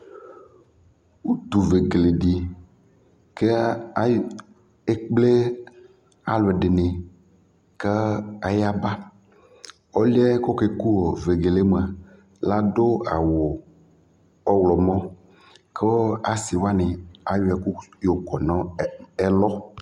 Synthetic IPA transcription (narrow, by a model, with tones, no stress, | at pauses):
wu˦t̪u˨ve˨ɡe˨le˨ɖi˨ | ke˦ | e˦k͡ple˦ | a˨le˨ɖe˨ne˨ | ke˦a˨ja˦ba˦ | ɔ˦li˦ɛ˦kɔ˦ke˦ku˦wɔ˨ve˨ɡe˨le˦me˨a˨ | la˦do˦a˨wo˨ | ɔ˦wlɔ˨mɔ̃˦ | ke˦a˦si˨wa˦ne˨a˨jo˦ɛ˨ku˦jo˨kɔ˨nɔ̃˦ɛ˦lɔ˦